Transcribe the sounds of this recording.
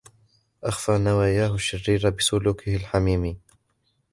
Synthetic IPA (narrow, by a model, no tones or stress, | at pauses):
ʔaxfaːnawaːjaːhʊʃːɪrːiːɾabɪsʊluːkɪhɪlħamiːmi